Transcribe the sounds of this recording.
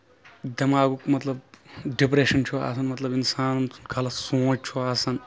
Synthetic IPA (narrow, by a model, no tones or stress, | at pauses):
d̪ɐmaːɡukmɐt̪lɐbɖip̬ɾeːʃɐnt͡ʃʰua̰ːsɐnmɐt̪lɐbinsaːnʰunkʰalɐsõːt͡ʃ̚t͡ʃʰoaːsɐn